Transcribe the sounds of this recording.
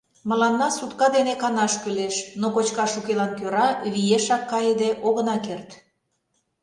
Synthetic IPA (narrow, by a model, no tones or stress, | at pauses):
mə̆lɑnːɑsut̪kɑd̪enekɑnɑʃkyleʃnokot͡ɕkɑʃukelɑnkøɾɑβijeʃɑkːɑjəd̪eʔoɣənɑkert̪